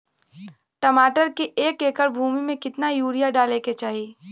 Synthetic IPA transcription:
ʈɐmaːʈəɾkiʔeːkeːkəɾbʱuːmimẽkɪt̪najuːɾijaɖaːleket͡ʃaːɦiː

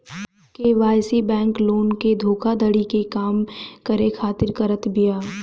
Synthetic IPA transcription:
keʋaːjsibɛ̃ːŋkloːnked̪ʱoːkʰad̪əɽikekaːmkɐɾekʰaːt̪ɪɾkɐɾət̪bijaː

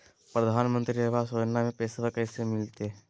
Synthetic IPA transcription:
pɾɐd̪ʱaːnmə̃nt̪ɾieʋasod͡ʒənːamẽpeːsaʋəkəsemɪlt̪e

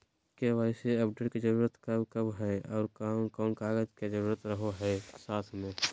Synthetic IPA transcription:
keʋaːɪseəpʰɖeːʈked͡ʒəɾuːɾət̪kəbkəbɦɛɔːɾkaːmkɔːnkaːɡəd͡ʒked͡ʒəɾuːɾət̪ɾəɦoɦɛsaːt̪ʰmẽ

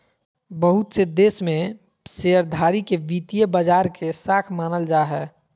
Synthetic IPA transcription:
bəɦʊt̪sed̪eːsmẽ | seːəɾd̪ʱaːɾikeʋiːt̪ijebəd͡ʒaːɾkesaːkʰmaːnəld͡ʒaːɦɛː

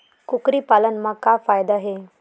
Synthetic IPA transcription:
kukɾiːpalənmakːafajd̪aɦe

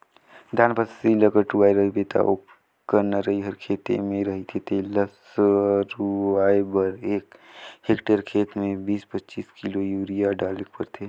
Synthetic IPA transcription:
d̪ʱaːnpəsiləkəʈuʋaːjɾəɦibeːt̪ʰa̰o | kəɾnaɾəɦiɦəɾkʰeːt̪ḛmẽɾəɦit̪ʰet̪eləs | ɾuaːebəɾeːkheːkʈeɾkʰeːt̪mẽbiːspətːt͡ʃiːskilojuːɾijaɖaːlek̚pəɾt̪ʰe

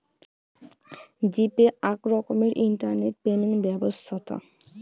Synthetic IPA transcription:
d͡ʑipeakɾɔkomeɾʔinʈaɾneʈ̚peniŋbɛbost̪ʰat̪o̰

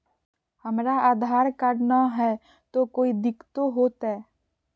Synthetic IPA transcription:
həmɾaaːd̪ʱaːɾkəɾnaɦɛ | t̪okoːid̪ɪkt̪oɦoːt̪ɦɛ

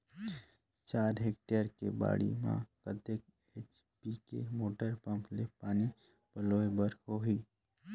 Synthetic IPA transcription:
t͡ʃaːɾɦek̚ʈəɾkeba̰ːɽḭmã̰kət̪ek | eːt͡ʃ | piːkḛmoːʈəɾpə̃mplepaːni | pəloːebəɾhoːɦiː

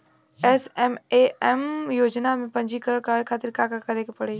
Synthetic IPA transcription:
ɛːsɛːmeɛmjoːd͡ʑnamẽpɐ̃ɲd͡ʑikɐɾəɽkaekʰaːt̪ɪɾkaːkakɐɾekepɐɽ̤eː

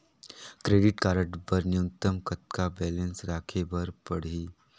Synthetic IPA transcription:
kɾeːɖɪʈkaːɾəʈpɐɾnjũt̪əmkɐt̪kabɛːlə̃nsɾaːkʰebɐɾpɐɽ̤iː

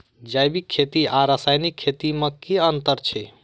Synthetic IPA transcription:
d͡ʒajbikʰːet̪iaɾəsajnikʰːet̪iməkiənt̪əɾt͡ʃʰɛ

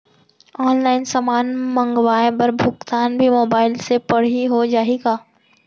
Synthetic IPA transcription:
ɔːnlaːɪnsamaːnmɐ̃ŋɡwaːebɐɾbʱʊkt̪aːnbʱimoːbaːɪlsepɐɽ̤iɦod͡ʒaːeːɡaː

